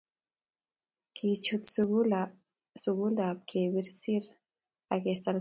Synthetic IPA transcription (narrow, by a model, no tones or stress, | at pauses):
kʰit͡ʃut̪sɡu | suɡuld̪ap̚kʰewiɾsiɾ | akesal